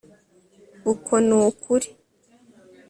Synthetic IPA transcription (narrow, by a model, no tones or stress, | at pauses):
ukʰonuːkʰuɾi̥